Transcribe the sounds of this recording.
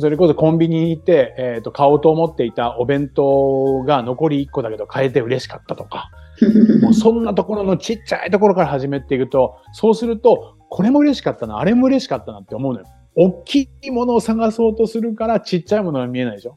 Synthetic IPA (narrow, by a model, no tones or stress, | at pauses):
so̞ɾe̞ko̞so̞kõ̞mbʲiɲ̟it̪ːe̞et̪ːo̞kao̞ːt̪o̞ːmo̞t̪ːe̞it̪aʔo̞bẽ̞nt̪o̞ɡano̞ko̞ɾʲiːkːo̞d̪ake̞d̪o̞kʰae̞t̪e̞ɯ̟ɾe̞ɕi̥kat̪ːat̪o̞̥ka | moːsõ̞nːat̪o̞ko̞ɾo̞no̞t͡ɕit͡ɕːa̰it̪o̞koɾo̞kaɾahaʑime̞t̪ːe̞iɯ̟t̪o̞so̞ːsɨɾɯ̟t̪o̞ | kʰo̞ɾe̞mo̞ɯ̟ɾe̞ɕi̥kat̪ːana̰ːɾe̞mo̞ɯ̟ɾe̞ɕi̥kat̪ːanat̪ːe̞o̞mo̞ɯ̟nojo | okʲʰːimo̞no̞ːsaɡaso̞ːt̪o̞sɨɾɯ̟kaɾat͡ɕit͡ɕːaimo̞no̞ɡamʲie̞naid̪eɕo̞